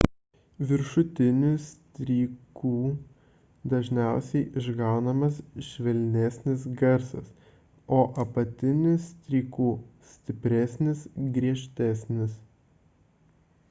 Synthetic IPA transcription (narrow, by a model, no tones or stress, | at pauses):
ʋʲɪɾʃʊt̪ʲɪnʲʊsʲt̪ʲɾʲiːkuː | d̪ɐʒʲnʲæˑʊsʲɛɪʔɪʒɡɑˑʊnɐmɐsʃʲʋʲɛlʲnʲɛsʲnʲɪs̬ɡɐɾsɐ̰s | oːʔɐpɐt̪ʲɪnʲʊsʲt̪ʲɾʲiːkuːsʲt̪ʲɪpʲɾʲɛsʲnʲɪsɡɾʲiɛʃʲt̪ʲæsʲnʲɪs